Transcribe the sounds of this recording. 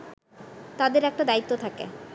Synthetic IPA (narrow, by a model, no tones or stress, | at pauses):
t̪ad̪eɾɛk̚ʈad̪ait̪ːot̪ʰakḛ